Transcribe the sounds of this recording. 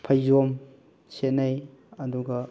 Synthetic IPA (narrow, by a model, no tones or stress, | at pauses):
pʰɐjzom | set̚nɐj | ɐduɡɐ